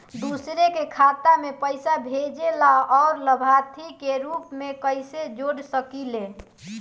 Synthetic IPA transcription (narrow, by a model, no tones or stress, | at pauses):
d̪usɾekekʰat̪amepəɪsabʱed͡ʒelaɔːɾləbʱat̪ʰikeɾupmekəɪsed͡ʒoɽsəkile